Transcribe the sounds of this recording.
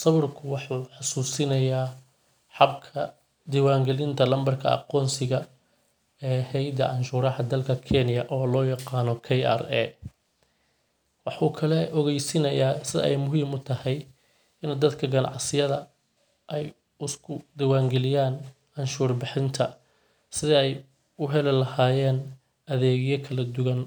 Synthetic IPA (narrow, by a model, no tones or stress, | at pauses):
sɐβɪrkʰʊwɑħuːħɑsuːsɪnɐjaː | ħɑbkʰɐ | d̪iwaːŋɡɛlɪnt̪ʰɐlɐmbɐrkʰɐ̰ɑ̰qɔːnsɪɣɐ | ɛːhɛjd̪ɐʔɑnʃuːɾɐhɐd̪ɐlkʰɐkʰɛnɪjɐʔɔːlɔːjɑqɑːnɔkʰɛja̰rɛ̰ | wɑħuːkʰɐlɛɔɣɛjsɪnɐjaːsɪðɐ̰ʔɛjmʊɦiːmʊt̪ʰɐhɛj | ɪnd̪ɐd̪kʰɐɡɐnɑ̰ʕsɪjɐðɐ | ʔɛj | ʊskʰʊd̪ɐwaːŋɡɛlɪjaːn | ɑnʃuːrbɪħɪnt̪ʰɐ | sɪðɐɛj | ʊɦɛlɛlɐhaːjɛːn | ʔɐðɛːɣɪjɐkʰɐlɐd̪ʊwɐn